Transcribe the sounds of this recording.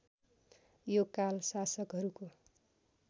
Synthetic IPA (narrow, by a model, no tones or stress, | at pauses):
jokalsasʌkɦʌɾuko